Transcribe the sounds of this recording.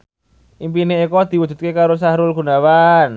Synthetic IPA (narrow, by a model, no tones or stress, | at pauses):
ʔimpineikɔd̪̥i̤wudd͡ʒ̥ṳt̪̚kekaɾos̬aɦɾʊlɡ̥ṳnawan